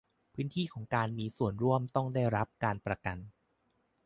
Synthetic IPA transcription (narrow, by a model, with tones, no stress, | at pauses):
pʰɯː˦˥nt̪ʰiː˥˩kʰɔː˩˦ŋkaː˧nmiː˧su˨˩ənɾu˥˩əmt̪ɔ˥˩ŋdaː˥˩jɾa˦˥p̚kaː˧npɾa˧ka˧n